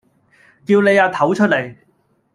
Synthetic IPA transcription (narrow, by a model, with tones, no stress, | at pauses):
kiː˧wne˨˧jaː˧t̪ʰɐ˨˥wt͡ʃʰɵ˥t̚le˨˩j